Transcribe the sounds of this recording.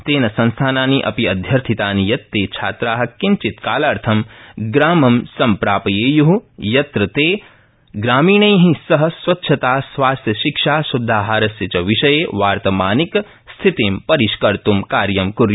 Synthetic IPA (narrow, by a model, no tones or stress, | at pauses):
t̪eːnɐsɐ̃nst̪ʰaːnaːniʔɐ̰piɐd̪ʱjɐɾt̪ʰit̪aːnijɐt̪ːeːt͡ʃʰaːt̪ɾaːɦɐ̆kint͡ʃit̪kaːlaːɾt̪ʰɐmɡɾaːmɐmsɐmpɾaːpɐjeːjuɦujɐt̪ɾɐt̪eː | ɡɾaːmiːɳɐjɦĩsɐɦɐ̆sʋɐtːʃʰɐt̪aːsʋaːst̪ʰjɐʃikʃaːsud̪ʱːaːɦaːɾɐsjɐt͡ʃɐʋiʃɐjeʋaːɾt̪ɐmaːnik | st̪ʰit̪empɐɾiʃkɐɾt̪umkaːɾjɐmkuɾju